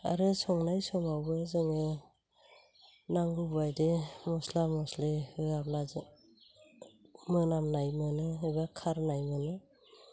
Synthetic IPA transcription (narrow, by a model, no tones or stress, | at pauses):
a̰ɾɯsɔŋnajsɔmawbɯzɯŋɯ | naŋubajdemɔslamɔsleɯablazɯ | mɯnamnajmɯnɯɯbakʰaɾnajmɯnɯ